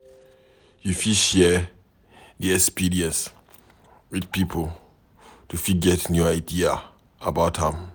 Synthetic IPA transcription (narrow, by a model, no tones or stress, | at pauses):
jufiʃɛ | diɛkspiɹiə̃ns | widpipʰəl | tufiɡɛtnjuaɪdia | əbaʊthãm